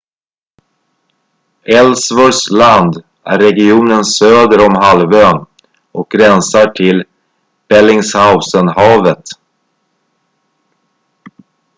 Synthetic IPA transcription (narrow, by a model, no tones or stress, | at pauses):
ɛlsvɔsland̪ | æ̰ɾːɛɡɪuːnənsøːd̪əɾɔmɦalvøːn | ʔɔk̚ɡɾɛnsaʈʰɪl | b̥ɛlɪŋshaʊsənhɑːvət̪